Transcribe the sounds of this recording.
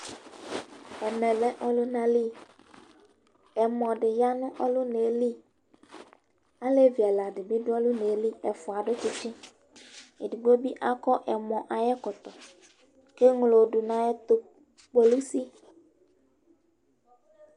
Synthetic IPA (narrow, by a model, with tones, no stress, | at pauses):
ɛ˨nɛ̃˨lɛ˦ʔɔ˦lʊ˦nã˦li˦ | ɛ˨mɔ̃˨ɖɪ˨ja˦nʊ̃˦ʔɔ˦lʊ˦ne˨˦li˦ | a˦le˦vi˨a˨la˨ɖɪ˨bɪ˦ɖʊ˦ɔ˦lu˦ne˨˦li˦ɛ˨fɔ˨a˨ɖʊ˦t͡ʃɪ˦t͡ʃɪ̃˦ | e˨di˨ɡ͡bo˦bi˦ʔa˦kɔ˦ʔɛ˨mɔ̃˨ʔa˨jɛ˦kɔ˨t̪ɔ˨ | ke˦ŋlo˨ɖu˨nã˦jɛ˦t̪o˦ | k͡pe˨lu˦si˦